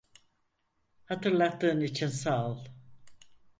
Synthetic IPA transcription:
hat̪ʰɯɾlˠat̪ːɯːnit͡ʃʰinsalˠ

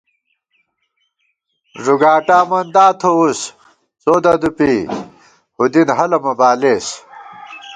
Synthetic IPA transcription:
ʐuɡaːʈaːmɐnd̪aːt̪ʰous | t͡soːd̪ɐd̪upi | hud̪inɦɐlɐmɐbaːleːs

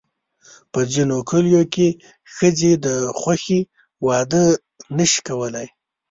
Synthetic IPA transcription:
pəzinokʰəljoke | xəzed̪əxwaxe | wɑd̪ə | nəʃi̥kawəlaj

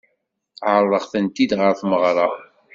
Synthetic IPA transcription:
ʕəɾˤəʁθənt̪id̪ʁəɾθməʁɾˤɑ

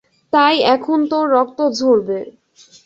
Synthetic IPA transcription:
t̪ajɛkʰont̪oɾɔk̚t̪od͡ʑʱoɾbe

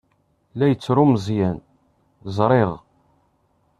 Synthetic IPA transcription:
læjət͡sːɾʊmzˤjæn | zˤɾˤeʁ

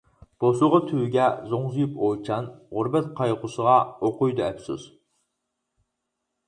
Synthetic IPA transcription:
b̥osʊʁɑt̪ʰywɡʲɛzoŋzujupʰot͡ʃʰɑnʁʊɾbɛt̪̚qʰɑjqʊsəʁɑoqʊjd̪uɛpsṵz̥

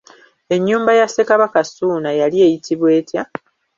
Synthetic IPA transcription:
e̞ɲːuːmbajase̞kaβakasuːnajalie̞ːjitiβwe̞ːtja

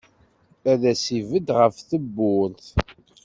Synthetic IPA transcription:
æðæsivəd̪ʁəfθəbːʊnθ

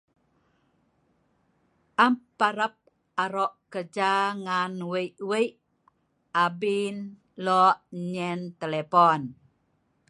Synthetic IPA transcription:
ʔampːaɾəp̚ | aɾɔʔkəd͡ʒaŋanwəjʔwəjʔ | abin | lɔʔɲɛnt̪elepɔn

